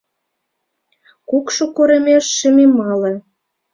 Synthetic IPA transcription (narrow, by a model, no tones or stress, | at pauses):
kukʃokoɾə̆mʲeʃːəmemɑlɤ̆